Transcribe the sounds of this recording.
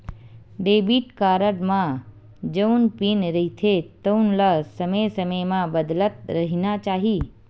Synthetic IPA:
ɖeːbiʈkaːɾəʈmã | d͡ʒəunpinɾəɦit̪ʰet̪ənlasəməjsəməjmãbəd̪lət̪̚ɾɐɦinat͡ʃaːɦiː

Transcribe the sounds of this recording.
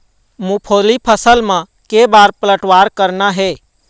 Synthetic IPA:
mũpʰoːlipʰəsəlmã | kebaːɾpələʈʋaːɾkəɾnaɦɛː

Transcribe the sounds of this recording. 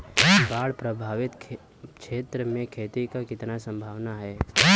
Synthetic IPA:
baːɽpɾəbʱaːʋɪt̪ | kʃeːt̪ɾəmẽkʰeːt̪ikakɪt̪nasə̃mbʱaːʋnaɦɛː

